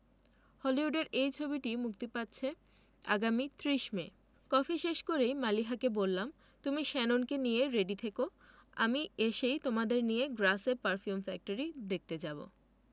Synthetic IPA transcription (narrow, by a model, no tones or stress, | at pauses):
hɔliɦuɖeɾejt͡ɕʰobiʈimuk̚t̪epatːɕʰe | a̰ɡamit̪ɾiʃme | kɔfʰiʃeʃkoɾejmaliɦakebolːam | t̪umiʃɛnonkenijeɾeɖit̪ʰeko | a̰mieʃejt̪omad̪eɾnijeɡɾasepaɾfiumfɛk̚ʈoɾid̪ek̚ʰt̪ed͡ʑabo̰